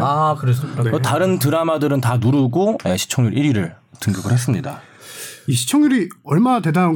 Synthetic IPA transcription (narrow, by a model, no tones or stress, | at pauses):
akɯɾesktaɾɯnt̬ɯɾamadɯɾɯntanuɾɯɡojeɕʰi̥t͡ɕʰʌŋɲuɾʔiɾiɾɯɭ | tɯŋɡjʌɡɯhes͈ɯmɲida̰ | iɕʰi̥t͡ɕʰʌŋɲuɾiʌɭmanate̞dana